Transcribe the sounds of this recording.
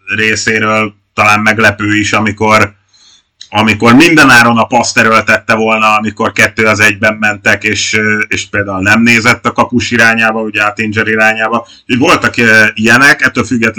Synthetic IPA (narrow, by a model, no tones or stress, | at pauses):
reːseːɾøːl | t̪ɒlaːmmɛɡlɛpøːiʃɒmiko̞r | ɒmiko̞rmind̪ɛnaːɾo̞nɒpɒst̪ɛɾølt̪ɛt̪ːɛvo̞lnɒɒmiko̞rkɛt̪ːøːɒzɛɟbɛmːɛnt̪ɛkeːʃeːʃpeːld̪aːulnɛmneːzɛt̪ːɒkɒpuʃiɾaːɲaːbɒuɟɛɒt̪ind͡ʒɛɾiɾaːɲaːbɒ | hovo̞lt̪ɒkijɛnɛkɛt̪ːøːlfyɡːɛt̪